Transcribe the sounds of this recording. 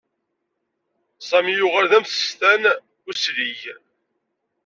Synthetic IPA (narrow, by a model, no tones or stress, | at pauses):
sˤæmijʊʁæɾðæmθə̥st̪æn | ʊsɾij